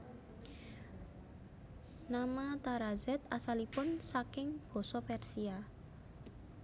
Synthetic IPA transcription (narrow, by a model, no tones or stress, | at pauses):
namat̪aɾazɛt̪̚asalipʊnsakɪŋb̥ɔ̤sɔpɛrsia